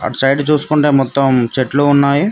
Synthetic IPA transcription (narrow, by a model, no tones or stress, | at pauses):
ɐ̰t͡ʃɐjɖt͡ʃuːsu̥kuɳʈe̞ːmɔt̪ːɐmt͡ʃeʈloːunːaːji